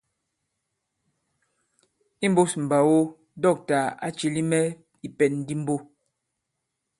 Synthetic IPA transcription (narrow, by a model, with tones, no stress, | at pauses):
i˦m˦bo˦sm̩˨ba˨wo˦ | dɔ˦˨k̚ta˨a˦t͡ʃi˨li˦mɛ˦ | i˨pɛ˨nː˦di˦m̩˦bo˦